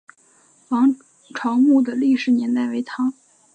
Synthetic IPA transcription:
fɑ˧˥ŋ | ʈ͡ʂʰɑ˧˥ʊmu˥˩d̪ə˩li˥˩ʂɻ̩˧˥njɛ˧˥nt̪a˥˩ɪwe˧˥ɪt̪ʰɑ˧˥ŋ

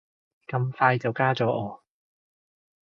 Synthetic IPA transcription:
kɐ˧mfaː˧jt͡sɐ˨wkaː˥t͡sɔː˨˥ʔɔː˨˧

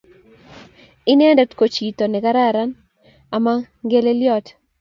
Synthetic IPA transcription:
ɪ˦nɛ˦ndɛ˦tko˨t͡ʃi˨to˨nɛ˨ka˦ɾa˦˨ɾa˦n | a˨ma˦ŋɡe˦le˦ljɔ˦t

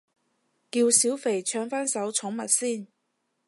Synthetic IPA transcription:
kiː˧wsiː˨˥wfe˨˩jt͡ʃʰœː˨˧ŋfaː˥nsɐ˨˥wt͡sʰʊ˨˥ŋmɐ˨t̚siː˥˩n

